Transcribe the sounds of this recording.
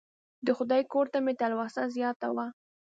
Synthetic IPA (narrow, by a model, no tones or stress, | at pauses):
d̪əxʊd̪ɑjkoɾt̪amet̪alwɑsazjɑt̪awa